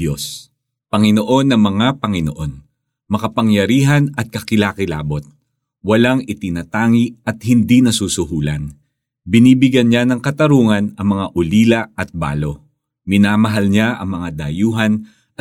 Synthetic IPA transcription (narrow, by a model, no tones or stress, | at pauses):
os | pɐŋɪno̞ʔo̞nːɐŋmɐŋapɐŋɪno̰ʔo̞n | mɐkɐpɐŋjɐɾiːɦɐnɐt̪̚kɐkɪlaːkɪla̰ːbo̞t̪̚ | wɐlaŋɪt̪ɪnɐt̪aːŋiʔɐt̪̚hɪnd̪inɐsuːsʊhuːlɐ̰n | bɪniːbɪɡjɐnɲanɐŋkɐt̪ɐɾuːŋɐnɐŋmɐŋaʔʊliːlɐɐt̪̚ba̰ːlo̞ | mɪnaːmɐɦalɲaʔɐŋmɐŋad̪ɐajuːɦɐn